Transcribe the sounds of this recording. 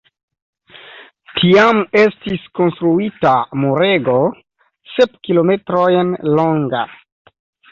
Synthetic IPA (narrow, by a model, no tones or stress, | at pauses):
tʰiame̞stisko̞nstɾuitamuɾe̞ɡo | sepkilome̞tɾojnlo̞ŋɡa